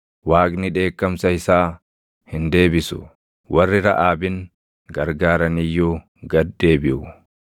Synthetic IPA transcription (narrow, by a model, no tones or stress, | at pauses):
waːɡnɪᶑe̞ːkːɐmsɐhɪsaː | hɪnd̪e̞ːbɪsʊ̰ | wʔɐrːɪɾɐ̰ʔaːbɪŋ | ɡɐɾɡaːɾɐnɪjːuː | ɡɐd̪ːe̞ːbɪʔʊ